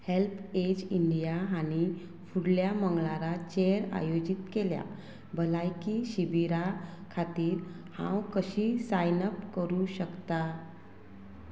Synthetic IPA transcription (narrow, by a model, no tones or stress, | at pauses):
helpʰed͡ʑiɳɖijaañi | fuɽljaməŋɡɭaɾat͡ɕeɾa̰jod͡ʑit̪kelja̰ | bʱəlajkiɕibiɾakʰat̪iːɾ | hã̰wkəɕiːsajnəpkəɾuɕəkt̪a